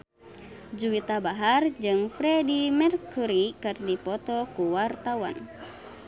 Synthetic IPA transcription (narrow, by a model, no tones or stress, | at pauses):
d͡ʒuwit̪abaɦard͡ʒɨŋfɾɛdimɛrkuɾikɨrdipɔt̪ɔkuwart̪awa̰n